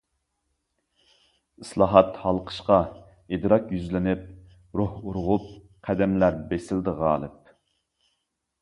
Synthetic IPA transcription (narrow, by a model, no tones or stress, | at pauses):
ɨslˠɑːɦɑt̪hɑlˠqʰə̥ʃqɑ | ed̪ɾɑkjyzlɪnɪp̚ | ɾohuɾʁʊp̚ | qʰæd̪ɛmlæɾbesɪld̪əʁɑːlˠɨ̰p̚